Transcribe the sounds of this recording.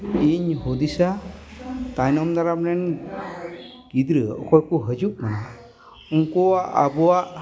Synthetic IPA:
iɲhud̪isa | t̪ajnɔmnaɾamɾɛn | ɡ̥id̪ɾɯɔ̰kʰɔjkuɦəd͡ʒup̚mana | uŋkɔwaʔa̰bɔwaʔ

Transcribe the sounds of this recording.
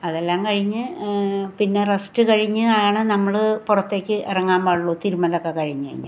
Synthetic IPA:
ɐðelːaːmkɐɻiɲːɨ | pinːe̞rɐstɨkɐɻiɲːɨaːjɳɨnɐmːɐɭɨpurɐt̪ːe̞ːkʲːɨʔirɐŋːaːmbaːɭːoːt̪iɾumɐnɐokːe̞kɐɻiɲːɨɐ̰ḭɲːɨ̰

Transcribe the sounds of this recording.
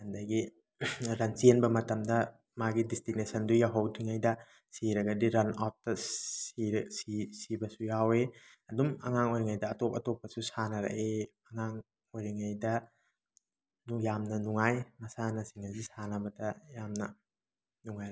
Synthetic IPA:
handɐɡi | ɾɐnsienbɐmɐtɐmdɐ | maɡidistinesɐndujawɦɐwtʰiŋajdɐ | siɾɐɡɐdiɾɐnap̚tɐsiɾsisibɐsujawe | ɐdumɐ̰ŋaŋojɾiŋajdɐːtɔp̚ɐtopːɐsusanɐɾɐ̰ʔeɐŋaŋ | ojɾiŋajdɐ | nujamnɐnuŋajmɐsanɐsiŋɐzisanɐbɐdɐjamnɐ | nuŋajɾ

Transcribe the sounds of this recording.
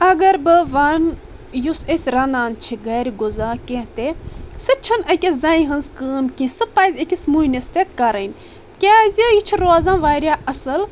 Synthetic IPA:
ɐɡɐɾbɨʋɐn | jusesʲɾɐnaːnt͡ʃʰiɡɐːɾʲiɡozaːkẽt̪esɨt͡ʃʰɐnɐkʲɐzɐĩɦɐnzkəːmkʲĩsɨpajzʲekʲismunʲɐst̪ekɐɾɐn | kʲaːzʲəjit͡ʃʰiɾoːzãːʋaːɾʲjaːɐsɐl

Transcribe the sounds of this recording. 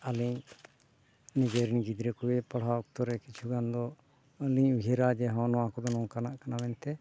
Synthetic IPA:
aliɲ | niɡeɾinɡid̪ɾɛkuɛpaɽ̤aɔk̚t̪ɔɾɛkit͡ʃʰuɡand̪ɔ | liɲuɦiɾad͡ʒɛɦɔ̃nɔwãkɔd̪ɔnɔ̃kanaʔkanamɛnt̪ɛ

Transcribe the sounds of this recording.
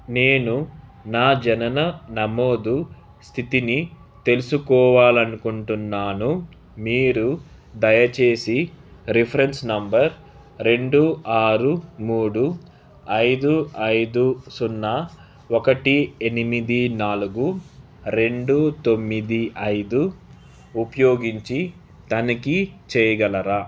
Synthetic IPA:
ne̞ːnunaːd͡ʒɐnɐnɐnɐmo̞ːd̪u | st̪ʰit̪ini | t̪e̞lusukɔːʋaːlɐnukuɳʈunːaːnu | miːɾu | d̪ɐjɐt͡ʃe̞ːsiɾipʰɐɾe̞nsnɐmbɐɾ | ɾe̞ɳɖuaːɾumuːɽu | ɐjd̪uɐjd̪usunːɐ | okɐʈienimid̪inaːluɡu | ɾe̞ɳɖut̪o̞mːid̪iʔɐjd̪u | upɐjo̞ːɡiɲt͡ʃi | t̪ɐnɐkit͡ʃɛːjɐɡɐlɐɾa

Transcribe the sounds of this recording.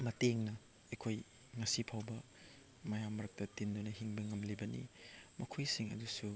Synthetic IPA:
mɐteŋnɐ | ekʰoj | ŋɐsipʰawbɐ | mɐjamːɐɾɐk̚tɐtindunɐɦiŋbɐŋɐmlibɐnḭmɐkʰojsiŋɐ̰dusu

